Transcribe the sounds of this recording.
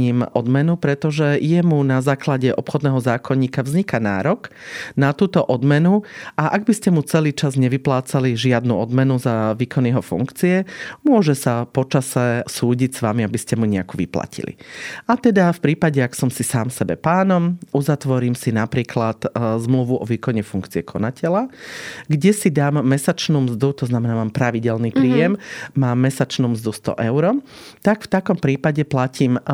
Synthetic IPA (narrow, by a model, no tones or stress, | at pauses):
iːmʔɔd̪mɛnupɾɛt̪ɔʒɛjɛmunazaːklaɟɛʔɔpxɔd̪nɛːɦɔzaːkʰɔɲiːkaʋzɲikana̰ːɾɔknat̪uːt̪ɔʔɔd̪mɛnuʔaʔaɡbiscɛmut͡sɛliːt͡ʃazɲɛʋiplaːt͡saliʒɪad̪nṵɔd̪mɛnuzaʋiːkɔnjɛɦɔfṵŋkt͡siɛmʊɔʒɛsapɔt͡ʃasɛsuːɟicsʋamiabiscɛmuɲɛakuʋḭpla̰cḭlḭat̪ɛd̪afpɾiːpaɟɛaksɔmsisaːmsɛbɛpaːnɔmuzat̪ʋɔɾiːmsinapɾiːklat̪zmluʋuʔɔʋiːkɔɲɛfuŋkt͡siɛkʰɔnacʰɛlaɡɟɛsid̪aːmːɛsat͡ʃnuːmzd̪ut̪ɔznamɛnaːmaːmpɾaʋiɟɛlnipɾiːjɛmmaːmːɛsat͡ʃnuːmzd̪ust̪ɔ̰ʔɛʊɾɔ | t̪akft̪akɔmpɾiːpaɟɛplacʰiːm